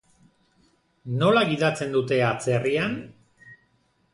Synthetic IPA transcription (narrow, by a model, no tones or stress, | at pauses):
no̞laɣiðat͡se̞nd̪ut̪e̞at͡se̞rian